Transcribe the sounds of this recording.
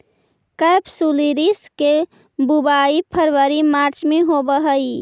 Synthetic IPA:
kəjpsuliɾiske | bubaipʰəɾʋəɾimaɾt͡ʃmeɦobəɦəi

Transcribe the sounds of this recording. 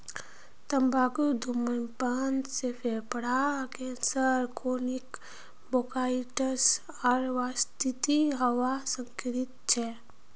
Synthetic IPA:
t̪ɐmbʱaːkud̪ʱumənpaːnsepʰepəɽakẽnsəɾkʰonik | bokaːiʈəs | ɔɾʋaːst̪it̪iɦəwasə̃ŋkɾit̪t͡ʃʰɛ

